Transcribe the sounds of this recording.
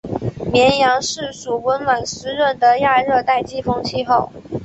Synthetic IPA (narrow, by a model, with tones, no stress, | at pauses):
mjɛ˧˥njɑ˧˥ŋʂɻ̩˥˩ʂu˨˩wə˧˥nwa˨˩ns̩˧˥ɻə˥˩nd̪ə˨ja˥˧ɻɤ˥˧t̪a˥˩ɪt͡ɕi˥fo˥ŋt͡ɕʰi˥˧xo˥˩ʊ